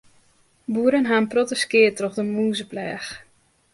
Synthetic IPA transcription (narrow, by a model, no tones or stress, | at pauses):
buəɾənɦaːnprɔtəskɪətrɔxdəmuːzəplɛːx